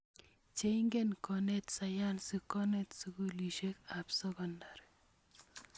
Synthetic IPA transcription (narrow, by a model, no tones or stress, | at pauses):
t͡ʃeiŋɡenkɔnet̪sajansukːɔnet̪sukuliʃekapsɔkɔndaɾ